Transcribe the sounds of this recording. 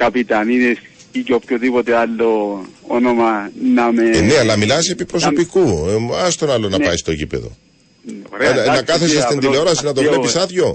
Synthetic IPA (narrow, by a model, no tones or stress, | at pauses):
kɐpit̪ɐnines | iceopçoðipot̪ealːoonomɐnɐmeneɐlːɐmilɐse̞pipɾo̞so̞pikuɐst̪o̞nɐlonɐpɐjst̪ocḭpe̞̰ðo̞̰ | ɾeenɐkɐθesɐst̪ind̪ileo̞ɾɐsinɐt̪opeɾeisɐðʝo̞